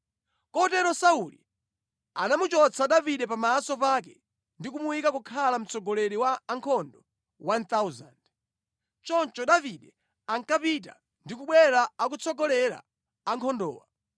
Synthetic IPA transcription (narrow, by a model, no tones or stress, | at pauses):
kɔtɛɾɔsaulḭ | anamut͡ʃɔt͡sʰaɗaviɗɛpamaːsɔpak̬ɛ | ndikumuwikakukʰalam̩t͡sʰɔɡɔlɛɾiwaːŋkʰɔndɔ | want̪auza̰nd | t͡ʃɔnt͡ʃɔɗaviɗɛ | aŋkapit̬a̰ | ndikuɓwɛɾaak̬ut͡sʰɔɡɔlɛɾa̰ː | ŋkʰɔndɔ̰ːwa̰